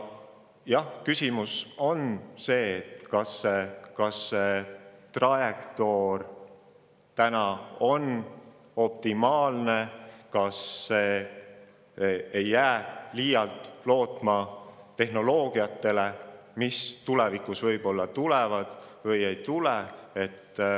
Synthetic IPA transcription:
jɑhkysimuso̞nse̞ːt̪kɑsːekɑsːet̪rɑjekt̪o̞r | t̪ænɑo̞n | o̞p̚t̪imɑːlnekɑsːe̞ː | ejːæːliːjɑlt̪ˑlo̞ːt̪ˑmɑ | t̪e̞hno̞lo̞ːɡ̥iɑt̪ːˑe̞le̞ | mist̪ulevikˑusvɤjb̥o̞lːɑt̪ulevɑd̪̥vɤje̞jt̪ulee̞t̪ː

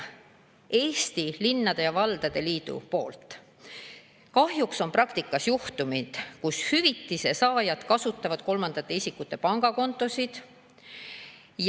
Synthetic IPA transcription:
ʔe̞ːst̪ilinːɑd̪e̞jɑvɑld̪̥ɑd̪̥e̞liːd̪̥ṵpo̞ːlt̪ˑ | kɑhjukso̞mprɑkt̪ikˑːɑsjuht̪umid̪̥kushyvit̪ːˑise̞sɑːjɑd̪̥kɑsut̪ˑːɑvɑd̪̥ko̞lmɑnd̪̥ɑt̪ːe̞isikːut̪ːˑe̞pɑŋɡ̥ɑko̞nt̪ːˑo̞sid̪̥ | j

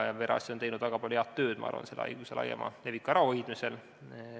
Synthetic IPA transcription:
jɑveɾʔɑ̰sʲiont̪e̞jnud̪̥væɡ̥ɑpɑlʲuheɑt̪ːø̞ːd̪̥mʔɑ̰ɑ̰rvɑ̰nse̞lɑ̰jɡ̥uselɑ̰jɑ̰mɑ̰le̞vikːˑoɑɾɑojd̪̥mise̞l

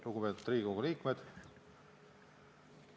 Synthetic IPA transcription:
luɡupet̪ut̪ri̥ːoɡuliːkmed̪̥

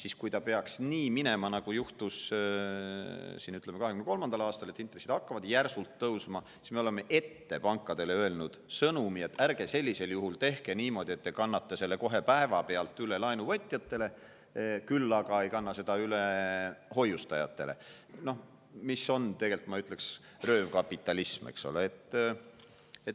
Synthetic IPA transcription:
siskujt̪ɑpe̞ɑksniːmine̞mɑnɑɡ̥ujuht̪us | siːnyt̪ːˑlemeɑɦekynekolmɑnd̪ɑlɑːst̪ɑle̞t̪ːˑint̪ɾresid̪ɑkːɑvɑd̪̥jærsult̪ːɤwsmɑsi̥sme̞o̞le̞mːe̞ʔe̞t̪ːe̞pɑŋkːˑɑd̪e̞le̞øe̞lnud̪̥sɤnumie̞t̪ːˑærɡ̥e̞se̞lʲːise̞ljuɦult̪e̞hke̞niːmo̞d̪ie̞t̪ːekɑnːɑt̪ːˑese̞lːe̞ko̞ɦe̞pæevɑpe̞ɑlt̪ːˑyle̞lɑjnuvɤt̪ʲːˑjɑt̪ːe̞le̞ | kylːɑɡ̥ɑe̞jkɑnːɑse̞d̪̥ɑyleho̞just̪ɑjɑ̰t̪ːˑe̞̰le̞̰ | no̞h | miso̞nt̪e̞ɡe̞lt̪mɑyt̪ˑle̞ks | rø̞ːvkɑpːˑit̪ːˑɑlismḛkso̞̰lḛet̪ːˑ | et̪

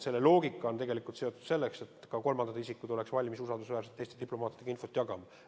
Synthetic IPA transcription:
se̞lːe̞lo̞ːɡikːˑɑo̞nt̪e̞ɡe̞likult̪se̞o̞t̪ːˑu̥d̪se̞lːekse̞t̪kɑko̞lmɑnd̪ɑt̪isikud̪̥o̞le̞ksvɑlʲmisusɑld̪usvæːɾset̪ːˑe̞jst̪ed̪iplo̞mɑːt̪ːˑid̪̥eɑinfo̞t̪ːˑjɑɡɑmɑ

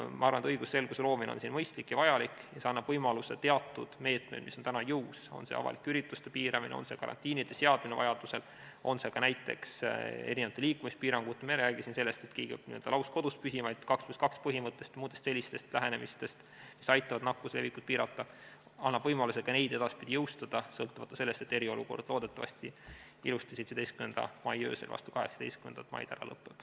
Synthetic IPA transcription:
mʔɑ̰ɑɾrvɑnet̪ɤjɡ̥usse̞lɡ̥uselo̞ːmin̰onsinmɤjst̪likjɑvɑjɑlikːˑjɑseɑnːɑb̥vɤjmɑluset̪e̞ɑt̪ːˑud̪̥me̞ːt̪me̞̰d̥̪misont̪ænɑjɯwso̞̰nsḛɑ̰vɑ̰likːyɾit̪ˑːust̪epiːɾɑminḛo̰nse̞kɑ̰ɾɑ̰nt̪ʲːˑiːnid̪̥eseɑd̪minevɑ̰jɑd̪̥use̞l | o̞nse̞kɑnæjt̪ːˑe̞̰kse̞̰ɾinevɑt̪eliːkːˑumist̪piːɾɑŋɡ̥ut̪ːˑemiɾæːɡ̥isinse̞lːe̞st̪et̪kiːɡ̥iniøld̪ɑ̰lɑwsko̞d̪̥ust̪̚pysimɑjd̪̥kɑkskɑkspɤɦimɤt̪ːˑe̞st̪muːd̪est̪selːist̪e̞st̪læɦe̞ne̞mist̪e̞st̪ | misɑjt̪ːˑɑvɑd̪̥nɑkːusle̞vikud̥̪̚piːɾɑt̪ːˑɑ | ɑnːɑb̥vɤjmɑluse̥kɑne̞jd̪̥e̞d̪̥ɑspid̪̥ʲijɤwst̪ɑd̪̥ɑsɤlt̪ːˑuvɑt̪ːˑɑ̥se̞lːe̞st̪e̞t̪ːe̞ɾio̞luko̞rd̪̥lo̞ːd̪e̞t̪ːˑɑvɑ̰st̪i | ilust̪isejt̪se̥ejskymend̪̥ɑ̰mɑjø̞̰ːselvɑ̰st̪u̥kɑɦeksɑ̥d̪e̞jstkymenɑt̪ːmɑ̰j̰d̪̥æ̰ɾɑ̰lɤ̰pːˑeb̥

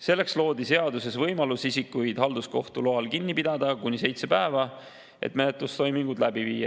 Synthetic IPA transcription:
se̞lːe̞kslo̞ːd̪ise̞ɑd̪use̞svɤjmɑlusisikːˑujd̪̥ɦɑld̪usko̞ht̪uloɑlkinːipid̪̥ɑd̪̥ɑkunʲise̞jt̪sepæevɑ | e̞̰t̪me̞net̪ˑlust̪o̞jmiŋɡ̥ud̪læbivḭːjːɑ

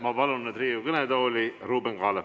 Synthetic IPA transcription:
mɑbɑlunːet̪riːjukɤned̪ɑolʲiruːbeŋkɑːle

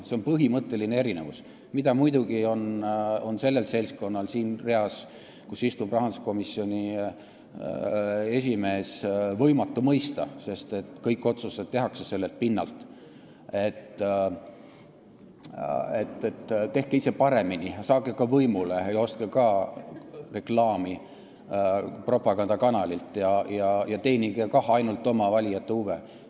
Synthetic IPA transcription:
seo̞npɤɦimɤt̪ːˑe̞linee̞ɾine̞̰vus | mid̪̥ɑmujd̪uɡ̥io̞no̞nse̞lːe̞lse̞lʲsko̞nːɑlsiːnre̞ɑs | kusist̪ubrɑɦɑnd̪u̥sko̞misːio̞nʲi | e̞s̬ʲime̞ːsvɤ̞jmɑt̪ːˑumɤjst̪ɑ̰se̞st̪e̞t̪ːˑkɤjkːˑo̞t̪suse̞t̪t̪ːe̞ɦɑkse̞se̞lːelt̪̚pinːɑ̰lt̪ˑ | e̞t̪ːˑ | e̞t̪ːet̪ːt̪e̞hkeise̞pɑɾe̞minisɑːɡekɑvɤjmuleejo̞st̪kekɑ | re̞klɑːmi | pro̞pɑɡɑnd̪ɑkɑnɑlʲilt̪ˑjɑjɑjɑt̪e̞ːniɡekɑhɑjnult̪ːˑo̞mɑvɑlʲijɑt̪ːeuve

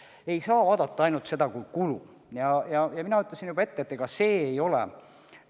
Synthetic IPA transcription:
e̞jsɑːvɑːd̪̥ɑt̪ːɑɑjnult̪se̞d̪ɑkujkulṵ | jɑjɑjɑminɑyt̪ːˑlesinjubɑe̞t̪ːet̪ːeɡ̥ɑse̞ːejo̞lḛ

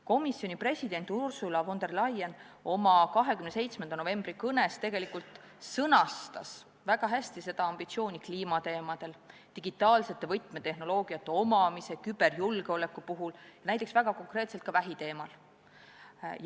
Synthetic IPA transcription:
ko̞misːjo̞nipre̞sʲid̪e̞nt̪ˑursulɑvo̞nd̪e̞rlɑjen | o̞mɑkɑɦe̞kymnese̞jt̪sme̞nd̪ɑno̞ve̞mb̥rikɤne̞st̪e̞ɡ̥e̞likult̪ | sɤnɑst̪ɑs | væɡ̥ɑɦæsʲt̪ise̞d̪̥ɑɑmb̥it̪sio̞ːnʲikliːmɑt̪e̞ːmɑd̪̥e̞lt̪iɡ̥it̪ːˑɑːlse̞t̪ːˑe̞vɤjt̪ˑme̞t̪e̞hno̞lo̞ːɡ̥iɑt̪ːe̞o̞mɑmise̞kyb̥e̞rjulɡ̥eo̞le̞kːupuɦuljɑnæjt̪ːˑeksvæɡ̥ɑko̞ŋkre̞ːt̪selt̪̚kɑvæɦit̪e̞ːmɑl | j

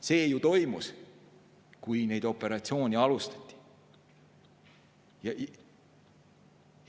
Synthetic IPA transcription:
se̞ːjut̪o̞jmus | kujne̞jd̪̥o̞pːˑe̞ɾɑt̪sio̞ːnʲiɑlust̪ɑ̥t̪ʲˑːi̥ | jɑ

